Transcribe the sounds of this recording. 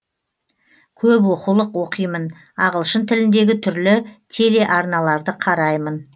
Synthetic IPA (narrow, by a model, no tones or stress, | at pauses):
kʲʰɵp̬wo̞qulˠəqwo̞qəjmən | ɑʁəlˠʃənt̪ʰɪlɪnd̪e̞ɡʲɪt̪ʰʏɾlɪt̪ʰe̞le̞ʔɑɾnɑlˠɑɾd̪əqʰɑɾɑjmən